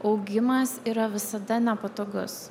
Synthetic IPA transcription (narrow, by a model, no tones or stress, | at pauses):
ɒʊɡʲɪmɐsiːɾɐʋʲɪsɐd̪ɐnʲɛpɐt̪oːɡʊs